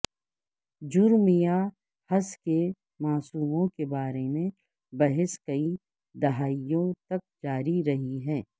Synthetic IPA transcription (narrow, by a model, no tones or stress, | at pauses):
d͡ʒʊɾmija | hɐske | maːsuːmõkebaːɾemẽ | bɐɦɪskɐi | d̪ɐɦaːijõt̪ɐk̚d͡ʒaːɾiɾɐɦiɦɛː